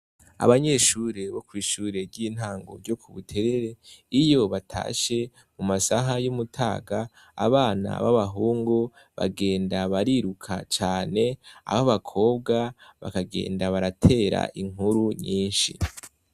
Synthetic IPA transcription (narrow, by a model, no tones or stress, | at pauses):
a̰βaɲe̞ːʃuːɾe̞βo̞kwiːʃuːɾe̞ɾɟiːn̥haːŋɡo̞ɾɟo̞kʰuβutʰe̞ɾe̞ɾe̞ijo̞βatʰa̰ːʃe̞ | mumasaɦajumutʰaːɡaː | βaːna̰βaβaɦuːŋɡo | βa̰ɡe̞ːndaβaɾiɾukʰa̰t͡ʃaːne̞a̰βaβakʰo̞ːbɡaβa̰kaɡe̞̰ːndaβaɾatʰe̞ːɾa̰ʔiŋ̥uɾuɲiːnʃḭ